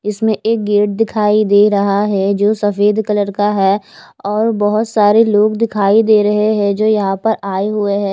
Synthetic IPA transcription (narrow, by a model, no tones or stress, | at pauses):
ɪsmẽeːk̚ɡeːʈ̚d̪ɪkʰaːid̪eːɾɐɦaɦɛd͡ʒoːsɐfeːd̪kɐləɾkaɦɛː | ɔːɾbɐɦʊt̪saːɾeloːɡd̪ɪkʰaːid̪eːɾɐɦeɦɛ̃d͡ʒoːjɐɦãpɐɾaːeɦʊeɦɛ̃ː